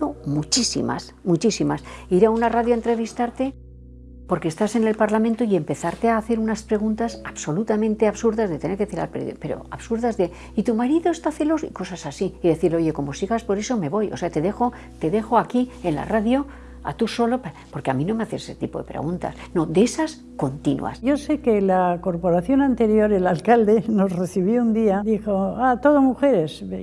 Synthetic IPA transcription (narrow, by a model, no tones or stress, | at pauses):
omut͡ʃisḭma̰s | mut͡ʃisimasiɾaunaraðjoent̪ɾe̞β̞ist̪aɾt̪e̞ | po̞ɾkest̪ase̞ne̞lpaɾlamẽnt̪oie̞mpe̞θaɾt̪e̞aːθe̞ɾunaspɾe̞ɣunt̪asaβso̞lut̪amẽ̞nt̪e̞aβsuɾðazðe̞t̪eneɾkθiɾa̰lpɾḛðjo̰pe̞ɾo̞̰a̰βsuɾðazðe̞ | it̪umaɾiðoest̪aθe̞losḭko̞sasasiiðe̞θiɾleo̞ʝe̞ko̞mo̞siɣaspo̞ɾeso̞me̞βo̞joseat̪e̞ðexo̞ | t̪e̞ðe̞xo̞akie̞nla̰raðjo̞ | a̰t̪uso̞lo̞papo̞ɾkeamĩno̞meaθesese̥t̪ipo̞̰ðepɾḛɣunt̪a̰sno̞d̪eesas | ko̞nt̪inṵa̰sjo̞se̞kelako̞ɾpo̞ɾaθjo̞nant̪e̞ɾjo̞ɾelalkald̪eno̞zresiβjound̪iad̪ixoat̪o̞ðomuxe̞ɾes